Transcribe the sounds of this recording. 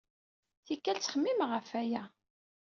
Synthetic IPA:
θikːælt͡sːχəmːimʁəfæjæ

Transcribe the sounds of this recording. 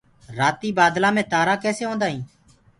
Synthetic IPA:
ɾaːt̪iːbaːd̪lãːmẽːt̪aːɾaːkɛːseːɦõːnd̪aːɦĩː

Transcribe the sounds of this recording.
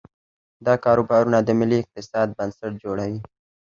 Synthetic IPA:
d̪ɑkɑɾobɑɾunad̪əmɪliɪq̚t̪ɪsɑd̪̚bansaʈ̚d͡ʒoɽawi

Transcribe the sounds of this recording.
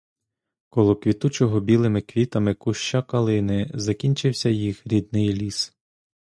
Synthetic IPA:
kɔlˠɔkʋʲit̪ut͡ʃɔɦɔbʲilˠɪmɪkʋʲit̪ɐmɪkuʃt͡ʃakɐlˠɪnɪzɐkʲinʲt͡ʃɪwsʲɐjixɾʲid̪̚nɪjlʲis

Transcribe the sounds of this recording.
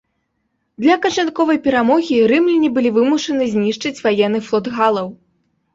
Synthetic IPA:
d̪lʲɐkɐt͡ʂankɔvɐjpʲɛɾamɔɣʲiɾɨmlʲinʲibɨlʲivɨmuʂɐnɨzʲnʲiʂt͡ʂɨt͡sʲvajɛnːɨflˠɔd̪ɣalˠɐw

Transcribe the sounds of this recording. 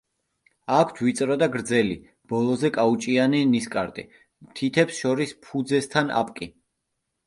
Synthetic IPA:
akʷʰt̪ʰvit̪sʼɾɔd̪aɡɾd̪zɛlḭ | b̥ɔlˠɔzɛkʼaut͡ʃʼianiniskʼaɾt̪ʼḭ | t̪ʰit̪ʰɛpsʃɔɾispʰud̪zɛst̪ʰana̰pʼkʼi

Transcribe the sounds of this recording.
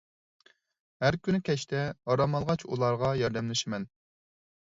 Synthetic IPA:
hæɾkʲʰynykʲʰɛʃt̪ʰɛɑɾɑmɑlˠʁɑt͡ʃʰṵlˠɑɾʁɑjɑɾd̪ɛmlɪʃɪmɛn

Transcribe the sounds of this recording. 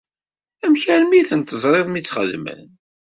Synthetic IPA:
æmçæɾmiθənt̪əzˤɾˤeðˤmit͡sːχə̰ðmə̰

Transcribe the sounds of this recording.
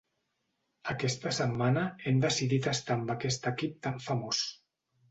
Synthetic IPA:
əkɛst̪əsəmːanəɛmd̪əsiðit̪əst̪ambakɛst̪əkip̚t̪aɱfəmos

